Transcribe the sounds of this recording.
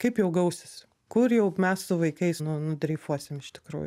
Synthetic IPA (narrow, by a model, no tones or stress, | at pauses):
kɐɪpjɛʊɡɐʊsʲɪs | kʊrjɛʊmʲɛssʊʋɐɪkɐɪsnʊnʊd̪ʲɾʲɛɪfuɔsʲɪmɪʃt̪ʲɪ̥kɾṵːjʊ